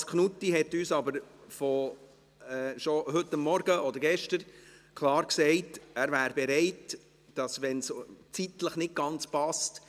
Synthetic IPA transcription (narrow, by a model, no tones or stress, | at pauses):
skχnutːiɦɛtyːsɑbəɾfɔ | ɛːʃɔɦɵtːɑmːɔɾɡəʔɔdəɾɡɛʃtəɾkʰlɑːɾksɛɪtæɾvæːɾbɛɾɛɪt | d̥ɑsʋɛnst͡sitləχnɪd̚ɡ̥ɑnt͡spɑst